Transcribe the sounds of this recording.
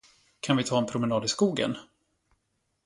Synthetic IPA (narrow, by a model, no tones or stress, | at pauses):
kʰanvɪt̪ʰɑːɛnpʰɾʊmɛnɑːd̪ɪskuːɡə̰n